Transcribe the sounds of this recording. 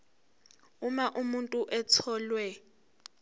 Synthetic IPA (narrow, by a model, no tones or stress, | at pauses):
umaʔumuntʼuʔɛt͡sʰɔːlwɛ